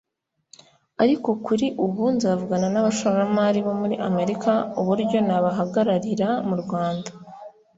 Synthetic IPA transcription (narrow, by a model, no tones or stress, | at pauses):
aɾiko̞kuɾiʔuβunzavuɡananaβaʃoɾamaɾiβo̞muɾiʔame̞ɾikauβuɾɟo̞naβaɦaɡaɾaɾiɾamuɾɡwaːnda